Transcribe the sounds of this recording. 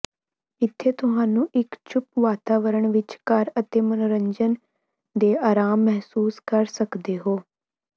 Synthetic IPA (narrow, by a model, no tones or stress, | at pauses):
ɪt̪ʰːeːt̪ʊɦaːnũːʔɪkt͡ʃʰʊpʋaːt̪aːʋəɾəɳʋɪt͡ʃkəɾət̪eːmənoːɾəɲd͡ʒən | d̪eːaːɾaːmːɛɦsuːskəɾsəkd̪eːɦoː